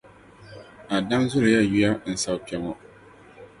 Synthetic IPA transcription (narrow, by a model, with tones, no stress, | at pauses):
a˨da˦ŋzʊ˦ɾɪ˨ja˦ji˦a˦n̩˨sa˨wpi˨ɛ˨ŋɔ˦